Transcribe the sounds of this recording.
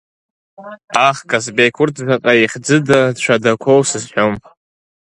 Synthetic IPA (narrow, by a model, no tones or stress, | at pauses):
aχkʼasbejkʰʊrtʰʒʷaqʼaiχʲd͡zɨdadt͡ʃʷʰadakʷʰowsɨzħʷᶣomʼ